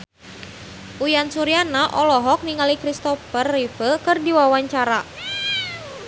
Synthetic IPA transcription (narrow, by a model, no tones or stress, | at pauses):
ʔujansuɾianaʔɔlɔɦɔk̚niŋalikɾist̪ɔfərːifəkərdiwawaɲt͡ʃaɾa